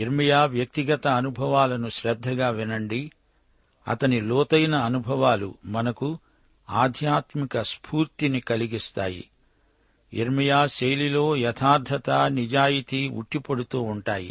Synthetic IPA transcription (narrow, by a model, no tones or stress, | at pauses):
iɾmijaːʋjɐk̚t̪iɡɐt̪ɐːnubʱɐʋaːlɐnuʃɾɛd̪ʱːɐɡaːʋinɐɳɖi | ɐ̰t̪ɐnilɔːt̪ɐjnɐːnubʱɐʋaːlṵmɐnɐku | aːd̪ʱjaːt̪mikɐspʰuːɾt̪inikɐliɡist̪a̰ːjḭ | ḭɾmijaːʃejlilo̞ːjɛt̪ʰaːɾd̪ʱɐt̪ɐnid͡ʒaːjit̪iṵʈːipɐɽut̪uːuɳʈaːjḭ